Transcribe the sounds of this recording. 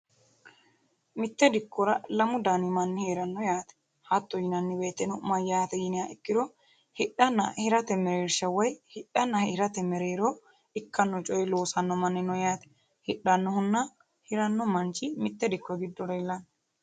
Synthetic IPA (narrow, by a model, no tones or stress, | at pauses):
mɪt̪ːɛd̪ɪkːɔɾɐlɐmʊd̪aːnɪmɐnːɪheːɾɐnːɔjaːt̪ɛ̥ | hɐt̪ːɔjɪnɐnːɪbe̞ːt̪ːɛnɔmɐjːaːt̪ɛjɪnɪjaɪkːɪd̪ɔ | hɪᶑːɐnːɐhɪɾɐt̪ɛmɛɾeːɾʃɐwɐjhɪɗːɐnːɐhɪɾɐt̪ɛmɛɾeːɾoː | ɪkːɐnːɔt͡ʃʼɔjɪlo̞ːsɐnːɔmɐnːɪnːɔjaːt̪ɛ̥ | hɪɗːɐnːɔhʊnːɐ | hɪɾɐnːɔmɐnt͡ʃɪmɪt̪ːɛd̪ɪkːɔɡɪd̪ːɔɾɐɛlːɐn